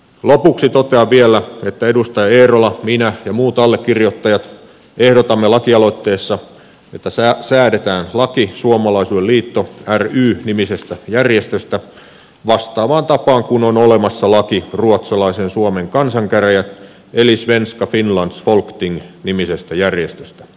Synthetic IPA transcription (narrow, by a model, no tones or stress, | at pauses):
lopuksit̪ot̪eɑʋʋielːˑæet̪ːæedust̪ɑjɑeːɾolɑminæjɑmuːt̪ɑlːekːirjot̪ːɑjɑt̪ | ehdot̪ɑmːelɑkiɑlo̞it̪ːe̞ːsːɑ | et̪ːæsæsæːɾet̪æːnlɑkisuomɑlɑisuːelliːt̪ːoæryːnimisest̪æjærjest̪øst̪æ | ʋɑst̪ɑːʋɑːnt̪ɑpɑːŋkunonolemɑsːɑlɑkiruot̪sɑlɑisensuomeŋkɑnsɑŋkæræjæt̪ | elisʋenskɑfinlɑnsfolkt̪iŋnimisest̪æjærjest̪ø̥st̪æ̥